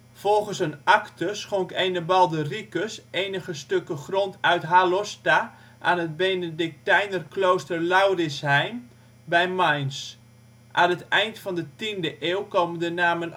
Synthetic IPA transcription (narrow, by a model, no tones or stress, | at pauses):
v̥ɔlˠχənsənaktəsχoŋkejnəbɑlˠdərikəseːnəχəstøkəχrontœɥtɦalɔsta | ʔaːnət̚bejnədɪk̚tɛjnərklowstərlawrɪshɛjm | bɛjmajns | ʔanətɛjntfɑndətindəʔeːlˠkoːməndənaːmən